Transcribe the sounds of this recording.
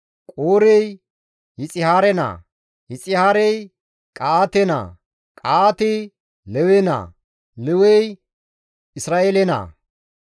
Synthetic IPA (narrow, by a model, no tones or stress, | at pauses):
kʼoːɾɛj | hɪt͡sʼɪhaːɾɛna̰ | hɪt͡sʼɪhaːɾɛj | kʼaaːt̪ɛna̰ | kʼaat̪ɪ | lɛwɛna̰ | lɛwɛj | ɪsɾaːʔeːlɛna̰